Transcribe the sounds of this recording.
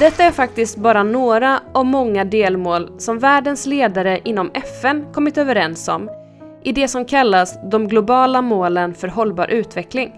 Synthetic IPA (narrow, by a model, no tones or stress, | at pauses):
d̪ɛt̪ːaæɾfak̚t̪ɪst̪̚bɑːɾanoːɾaɔmɔŋːad̪eːlmoːlsɔmvæːɖənsleːd̪aɾəʔɪnːɔmɛfɛnkʰɔmːɪt̪øːvəɾɛnsɔ̰m | ʔɪd̪ɛsɔmkʰalːasd̪ɔmɡlʊbɑːlamoːlənfœɾɦɔlbɑ̰ːɾʔʉ̟ːt̪vɛklɪŋ